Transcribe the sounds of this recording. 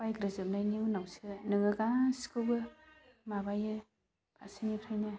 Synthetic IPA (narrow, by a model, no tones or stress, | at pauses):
pajɡɾɯzɯmnajniunawsɯnɯŋɯɡasi̥kɯwɡɯ | mabajɯ | b̥a̰sinipʰɾajnɯ